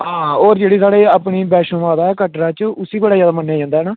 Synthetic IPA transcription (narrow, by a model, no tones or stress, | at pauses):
ɦãːoːɾd͡ʒeːɽiːsaːɽeːaːpɳiːbɛːʃõmaːd̪aːɛːkəʈɾãːt͡ʃʊsiːbəɽaːd͡ʒjaːd̪aːmənːjaːd͡ʒãːnd̪aɦɛːnaː